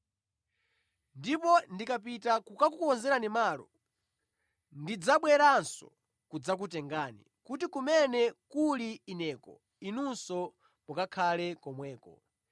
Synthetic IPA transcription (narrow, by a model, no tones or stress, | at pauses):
ndipɔndikapitakukakukuɔnzɛɾanimaːlɔ | ndid͡zaɓwɛɾansɔ̰ | kud͡zak̬utɛŋɡaːnḭ | kut̬ikumɛnɛkuliːnɛːkɔ̰ | inunsɔ | mukakʰalɛkɔmwɛːkɔ